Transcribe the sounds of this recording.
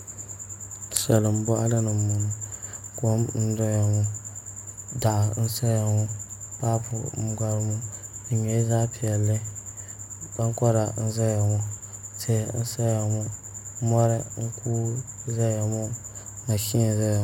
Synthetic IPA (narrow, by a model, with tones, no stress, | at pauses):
sa˨lɨ˨m̩˦bɔ˦ʔa˦lɨ˦nɨ˨mːu˨n˨ko˦mn̩˦dɔ˦ja˨mɔ˨ | da˨ʔa˨n̩˦sa˦ja˨ŋu˦pa˦pʰʊ˨m˦ɡa˦ɾmu˦˨ɲɛ˨˦zaː˦pi˨ɛ˨lːɨ˦ | b̥a˦n˦kɔ˦ɾa˨n̩˦za˦ja˨mɔ˦te˦˨˦n̩˦sa˦ja˨mu˦ | mɔ˦ɾɛ˦ŋ̩˦kʰuː˦za˦ja˨mɔ˦ma˨ʃi˦a˨za˦ja˨